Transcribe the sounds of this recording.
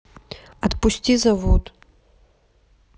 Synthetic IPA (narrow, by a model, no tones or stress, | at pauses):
atpusʲtʲizavutʼ